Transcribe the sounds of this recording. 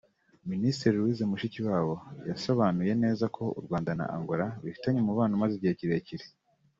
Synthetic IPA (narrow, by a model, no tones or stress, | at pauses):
ministiɾiɾwizemuʃiciwaːβo̞jaso̞βanuje̞ne̞ːzakʰo̞ṵɾɡwaːndana̰ʔa̰ŋɡoɾaβifi̥taɲemuβaːnomaziɟieeciɾe̞ːciɾe